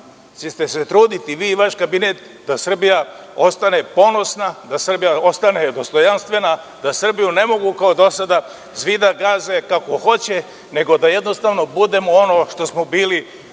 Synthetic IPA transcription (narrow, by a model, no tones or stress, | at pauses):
t͡ɕest̪eset̪ɾuːd̪it̪iʋiːʋaʃkabinet̪ | d̪asr̩bija | o̞st̪ane̞po̞no̞snad̪asr̩bijao̞st̪ane̞d̪o̞st̪o̞janst̪ʋe̞na | d̪asr̩bijune̞mo̞ɡukaod̪o̞sad̪a | zʋid̪aɡaːzekako̞xo̞t͡ɕe | ne̞ɡo̞d̪aje̞d̪no̞st̪aʋno̞bud̪e̞moono̞ːʃt̪o̞smo̞biːli